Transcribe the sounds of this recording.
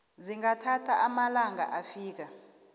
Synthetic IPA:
ziŋatʰatʰaʔamalaŋa̰ʔafiːk̬a

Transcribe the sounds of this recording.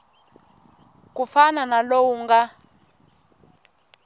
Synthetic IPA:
k̬ʼufananalowuŋɡa

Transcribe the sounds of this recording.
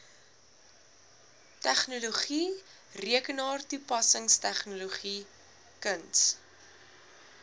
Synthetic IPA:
tæχnuluχi | riəkənɑːrtupɐsəŋstæχnuloχi | kəns

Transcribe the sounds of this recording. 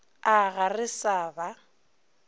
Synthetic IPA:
aɣarɪsaːba

